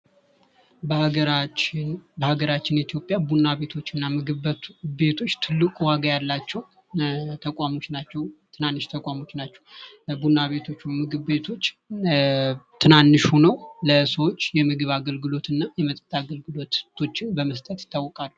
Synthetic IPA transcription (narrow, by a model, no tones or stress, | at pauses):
bɾ | bəhaɡəɾat͡ʃːɪnit̪jo̞pʼːjabunaβe̞t̪ʰo̞t͡ʃːɨnːamɨɡɨbe̞t̪ʰo̞t͡ʃːt̪ʰɨlːɨkʼuwaɡajalːat͡ʃːɛw | t̪ʰəkʼamo̞t͡ʃːnat͡ʃːɛwt̪ʰɨnanːɨʃt̪ʰəkʼwamo̞t͡ʃːnat͡ʃːɛw | bunːaβe̞t̪ʰo̞t͡ʃːwmɨɡɨβbe̞t̪ʰo̞t͡ʃː | t̪ʰɨnanːɨʃhonəwləsəwot͡ʃːjɛmɨɡɨβaɡəlɡɨlo̞t̪ɨnːajɛmət̪ʼət̪ʼːaɡəlɡɨlo̞t̪t̪ʰo̞t͡ʃːɪnbəməst̪ʼət̪jɪ̥t̪ːawːɔkʼalːu